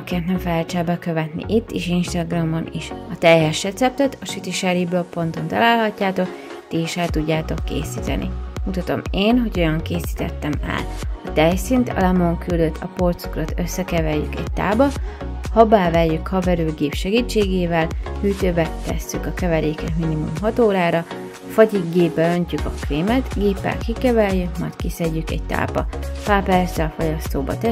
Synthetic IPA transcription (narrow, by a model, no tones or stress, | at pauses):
ɒkiɛt̪nɛɱfɛlɛlt͡ʃɛbɛkø̞vɛt̪nḭʔit̪ːiʃinʃt̪ɒɡrɒmːɒniʃɒt̪ɛjɛʃrɛt̪sɛp̚t̪ɛt̪ɒʃit̪iʃɛɾibloppːo̞nt̪o̞nt̪ɒ̰laːlɦɒcːaːt̪o̞k | t̪iiʃɛlt̪uɟːaːt̪o̞kːḛːsiːt̪ɛ̰nʔḭmut̪ɒt̪o̞̰meːnɦo̞ɟo̞jɒŋkeːsi̥ːt̪ɛt̪ːɛmɛ̰lɒt̪ɛjsint̪ɒ̰lɛmo̞ŋkyld̪øt̪ʰːɒport̪sukrɒt̪ø̞sːɛkɛvɛjjy̰kɛ̰ct̪a̰ːbɒhɒbaːvɛjːykhɒvɛɾyːɡeːpʃɛɡiːt͡ʃːeːɡeːvɛlhyːt̪øːbɛt̪ɛ̰sːykɒkɛvɛɾeːkɛt̪minimṵmɦɒt̪oːɾaːɾɒ | fɒɟiɡeːbːɛø̞ɲcykɒkreːmɛt̪ɡeːpːɛ̰lkikɛvɛljykmɒ̰jckisɛɟːykɛ̰ɟ̚t̪a̰ːbɒpaːpɛrzɛɒfoɟɒst̪oːbɒ̰t̪ɛ